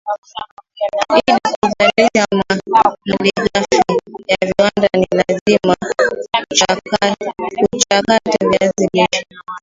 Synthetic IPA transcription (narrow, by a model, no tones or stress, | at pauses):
ɓiɗikuzaliʃamaliʄafijaviwandanilazima | ut͡ʃakativiaziliʃḁ